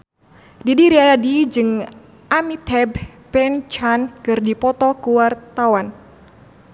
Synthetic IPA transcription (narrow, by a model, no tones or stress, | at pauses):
didiɾiadid͡ʒɨŋ | ʔamit̪ʰɛb | pɛnt͡ʃankɨrdipɔt̪ɔkuwart̪awan